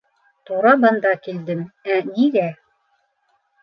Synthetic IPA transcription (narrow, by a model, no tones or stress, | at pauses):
t̪uɾɑbɤ̆nd̪ɑkild̪ɘmæniɡæ